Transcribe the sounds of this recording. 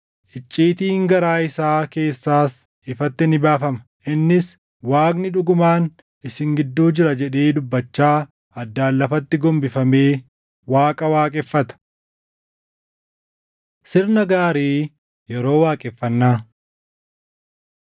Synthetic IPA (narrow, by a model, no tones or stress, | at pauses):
ʔɪt͡ʃʼːiːt̪iːŋɡɐɾaːɪsaːke̞ːsːaːs | ɪfɐt̪ːɪnɪbaːfɐmɐ | ʔɪnːɪs | waːknɪᶑʊɡʊmaːn | ʔɪsɪŋɡɪd̪ːuːd͡ʒɪɾɐd͡ʒɛᶑeːd̪ʊbːɐt͡ʃːaː | ɐd̪ːaːlːɐfɐt̪ːɪɡɔmbɪfɐmeː | waːkʼɐwaːkʼɛfːɐt̪ɐ̥ | sɪɾnɐɡaːɾiː | jɛɾo̞ːwaːkʼɛfːɐnːaː